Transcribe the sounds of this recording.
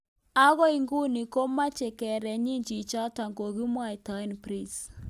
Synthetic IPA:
a˦ɣɔ˦i˨ŋɡu˦ni˨ko˦ma˦t͡ʃɛ˨kɛ˨ɾɛ˨ɲi˦ɲd͡ʒi˨t͡ʃa˦ta˨ŋɡo˨ɣi˦mwa˦˨i˨ta˨i˦npɾi˦˨s

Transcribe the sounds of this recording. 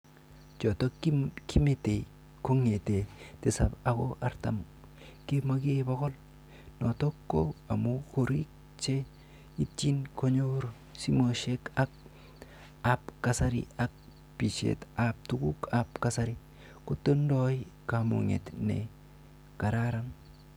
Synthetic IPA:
t͡ʃo˨to˦kʰi˦me˨te˨ | ko˦ŋe˨te˨te˨sa̰˨ba˨ko˦ʔa˦ɾta̰˨m | ke˦ma˦ɡe˦bo˦kɔ˦l | no˨to˦kːo˦a˨mu˦ko˨ɾik̚ | t͡ʃe˦ | i˦t͡ʃi˦nko˦ɲo˦ɾ | si˦moʃe˦ka˦k̚ | apkasa˦ɾḭ˦ak̚ | pi˨t͡ʃḛ˨tap̚tu˦ɡu˦kapkasaɾi˦ | ko˦tːo˦ndɔ˦jkamṵŋḛ˨tnḛ˨ | ka˨ɾaɾa˦ŋ

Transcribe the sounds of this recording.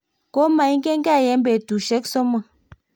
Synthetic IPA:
ko˦ma˨i˦ŋ˦ɡe˦ŋɡa˦˨jɛ˨˦mbe˨tu˨ʃɛ˦ksɔ˦ma˨

